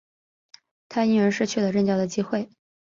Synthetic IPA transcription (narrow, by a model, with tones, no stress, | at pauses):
t̪ʰa˥i˥nɻə˧˥nʂɻ̩˥t͡ɕʰy˥˩lə˩ʈ͡ʂə˥˧ŋt͡ɕjɑ˥˧ʊd̪ə˩t͡ɕi˥xwe˥˩ɪ